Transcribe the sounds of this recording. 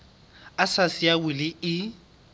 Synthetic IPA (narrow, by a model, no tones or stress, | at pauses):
asasɪawɪlɪɪ